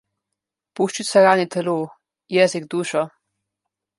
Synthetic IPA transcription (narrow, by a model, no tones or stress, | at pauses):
puːʃt͡ʃit̪sɛɾaːnit̪ʰɛloː | jɛːziɡd̪uːʃɔ